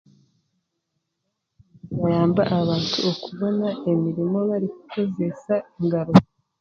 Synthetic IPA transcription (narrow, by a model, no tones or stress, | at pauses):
wajaːmbaʔaβaːntʰuokuβo̞naemiɾimo̞βaɾiku̥ko̞ze̞saiŋɡaɾo